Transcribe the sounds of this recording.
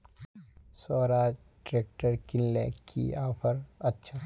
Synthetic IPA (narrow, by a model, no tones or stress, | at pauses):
soːɾaːd͡ʒ | ɖɾeːk̚ʈəɾkɪnlḛkʰḭaːpʰəɾɐtːʃʰa